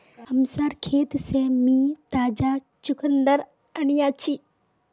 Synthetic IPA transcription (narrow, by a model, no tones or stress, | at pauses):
ɐmsaɾkʰeːt̪semĩːt̪aːd͡ʑa | t͡ʃʊkʰənd̪əɾ | ɐñijaːt͡ɕʰiː